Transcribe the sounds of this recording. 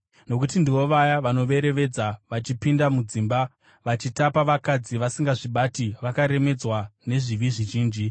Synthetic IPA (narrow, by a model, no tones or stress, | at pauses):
no̞kutindiʋo̞ʋajaʋano̞ʋe̞ɾe̞ʋe̞d͡zaʋat͡ʃipindamud͡ziːmba | ʋat͡ʃitapaʋakad͡ziʋasiŋɡaʐiɓatiʋakaɾe̞me̞d͡zwane̞ʐiʋiʐiʒiːnd͡ʒi